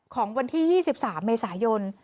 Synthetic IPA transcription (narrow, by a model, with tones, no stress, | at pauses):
kʰɔː˩˦ŋwa˧nt̪ʰiː˥˩jiː˥˩si˨˩p̚saː˩˦mːeː˧saː˩˦jo˧n